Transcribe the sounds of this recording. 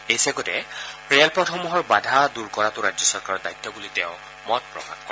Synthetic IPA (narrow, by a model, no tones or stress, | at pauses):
ejsɛɡɔtɛpɹɛlpɹɔtʰɔmɔɦɔɹbadʱaduɹkɔɹatʊɹad͡ʑjɔsɔɹkaɹɔdajt̪ːɔbulitɛ̃ʊ̃ | mɔt̚pɹɔ̰ka̰tkɔɛ